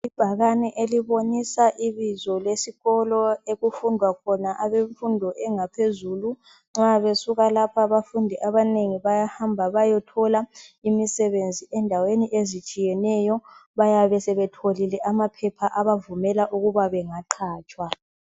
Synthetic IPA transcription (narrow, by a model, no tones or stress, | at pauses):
ib̥ʱaɣanɛʔeliβonisaʔiβizɔlesiɣɔlɔeɣufundʱwakʰɔnaʔaβeɱfundʱɔʔɛŋapʰezuːlu | ŋ͡ǁaβesuɣalapʰaβafundʱiʔaβaneŋiβajahambʱaβajɔtʰɔlaimisɛβend͡zʱiʔɛndʱaweniʔezit͡ʃʼijɛnɛjɔβajaβɛsɛβɛtʰolilɛʔamapʰɛpʰaʔaβavumɛlaʔuɣuβaβɛŋaǃʰaːt͡ʃʼwa